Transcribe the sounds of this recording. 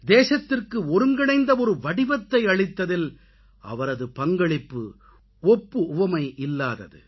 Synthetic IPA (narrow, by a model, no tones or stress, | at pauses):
d̪eːsɐt̪ːɪrkɯɔɾɯŋɡɪɽɐɪnd̪ɐɔɾɯʋɐɽɪʋɐt̪ːɐɪɐɭɪt̪ːɐðɪl | ɐ̰ʋɐɾɐðɯpɐŋɡɐɭɪpːɯ̰ | ɔpːɯʊʋɐmɐɪʔɪlːaːðɐ̰ðɯ̰